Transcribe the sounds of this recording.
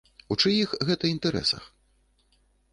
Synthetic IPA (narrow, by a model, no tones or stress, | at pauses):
ut͡ʂɨjixɣɛt̪ɐint̪ɛɾɛ̰sɐ̰x